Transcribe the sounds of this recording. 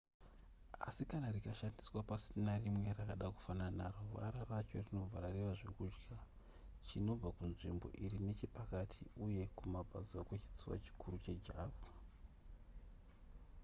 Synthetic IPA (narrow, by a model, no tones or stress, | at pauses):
a̰sikanarikaʃandiswapasinarimwe̞rakaɗaku̥fananaruʋa̰ɾarat͡ʃo̞rino̞vʱaɾareʋaʐekud͡ʒɡa | t͡ʃino̞b͡vakunʐimbo̞̰ʔirine̞t͡ʃipakatʰiuje̞kumabʱa̰ziwakwet͡ʃi̥t͡siwa̰t͡ʃi̥kuɾut͡ʃe̞d͡ʒaːvu